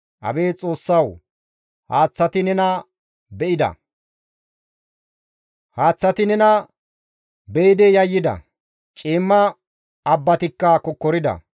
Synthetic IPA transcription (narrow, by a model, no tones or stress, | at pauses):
ʔɐ̰be̞ːt͡sʼo̞ːsːɐw | haːt͡sːɐt̪ɪnɛnɐ | bɛʔɪd̪ɐ̰ | haːt͡sːɐt̪ɪnɛnɐ | bɛɪd̪ɛjɐjːɪd̪ɐ̰ | t͡ʃʼiːmːɐ | ɐbːɐt̪ɪkːɐkɔkːɔɾɪd̪ɐ̰